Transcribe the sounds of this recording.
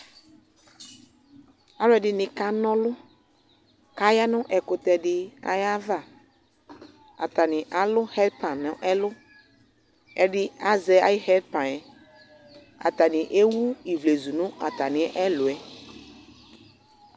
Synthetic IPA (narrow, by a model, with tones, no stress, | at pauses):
a˦lʊ˦ɛ˨dɪ˨˦nɪ̃˨ka˦nɔ̃˦lʊ˦ | ka˦ja˦nʊ̃˦ʔɛ˨kʊ˨t̪ɛ˨dɪ˦a̰˨ja˦va˦˨ | a̰˨t̪a˨nɪ̃˨ʔa˨lʊ˦hɛ˦d̚pa˨nːʊ̃˦ʔɛ˦lʊ˦ | ɛ˨dɪ˦a˦zɛ˨a̰˦jɪ˦hɛ˦d̚pã˨nɛ˨ | a̰˨t̪a˨nɪ̃˨ʔe˦wu˦i˨vle˨zu˨nʊ̃˦a˨t̪a˨nɪ̃˨˦ʔɛ˦lʊ˨ɛ˨